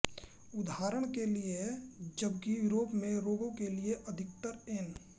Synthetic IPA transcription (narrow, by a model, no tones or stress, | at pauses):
ʊd̪ʱaːɾəɽ̃kelied͡ʒəbkijuɾoːpmẽɾoːɡõkelieʔəd̪ʱɪk̚t̪əɾeːn